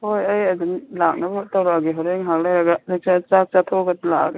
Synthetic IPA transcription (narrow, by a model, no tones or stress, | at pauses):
hojɐjɐdunlak̚nɐbɐtɐwɾaɡiɦɔɾeŋɦak̚lajɾɐɡɐlek̚sat͡ʃak̚t͡ʃatʰoɡɐtla̰k